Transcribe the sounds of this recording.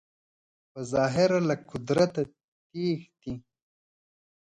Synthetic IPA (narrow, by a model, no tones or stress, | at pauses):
pɐzɑːɦɪɾalɐkʊd̪ɾɐt̪a | t̪iːxt̪i